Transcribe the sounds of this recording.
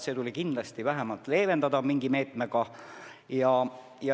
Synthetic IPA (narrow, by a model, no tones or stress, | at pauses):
se̞ːt̪ulʲikind̪̥lɑst̪ivæɦemɑlt̪ːˑle̞ːve̞nd̪ɑd̪ɑmiŋɡ̥ime̞ːt̪ˑmeɡ̥ɑ | jɑ | jɑ